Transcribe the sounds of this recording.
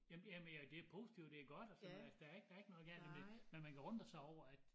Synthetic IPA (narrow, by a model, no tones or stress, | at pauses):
jæmjæmnjæd̥e̝æpʰo̝̰ːsi̥t͡sʰiʊ̰d̥d̥e̝æɐɡ̥ɒ̽d̥ɒsɒnæsd̥ææɐe̝ɡ̥əd̥ææe̝ɡ̥nɔ̽ːðˠɡ̥æld̥emdemenmænkʰæʁɔn̰d̥ɐsɑ̈ɪɒʊ̰ɐæd̥